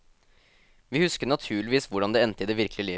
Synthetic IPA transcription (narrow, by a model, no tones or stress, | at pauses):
ʋiːhʉskəɾɳɑt̪ʰʉːɭɪʋiːsʋʊɖɑnd̪ɛːɛnt̪ɪd̪eːʋɪɾkəlɪliː